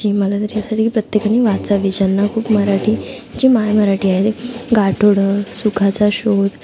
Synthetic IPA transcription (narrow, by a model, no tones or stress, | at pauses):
iməlat̪əɾjasaʈʰiːkipɾət̪jekaniʋat͡saʋid͡ʑənːakʰuːpməɾaʈʰiːd͡ʑimajməɾaʈiːaɦet̪ɡaʈʰoɽəsukʰat͡saɕod̪